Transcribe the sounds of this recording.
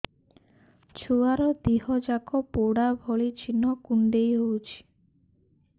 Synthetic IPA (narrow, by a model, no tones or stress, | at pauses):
t͡ʃʰuaɾɔd̪iɦɔd͡ʒakʰɔpoɽabʱɔɭit͡ʃʰinɔkuɳɖejɦowt͡ʃʰi̥